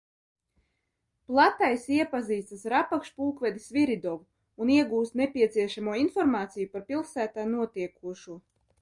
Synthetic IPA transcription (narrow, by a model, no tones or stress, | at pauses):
plˠat̪ajsiɛpaziːsasɾapakʃpuːkvʲɛd̪isviɾid̪ɔvuː | niɛɡuːst̪nepʲiɛt̪siɛʃamuɔinfɔɾmaːt̪sijupaɾpilˠsæːt̪aːnuɔt̪iɛkuɔʃuɔ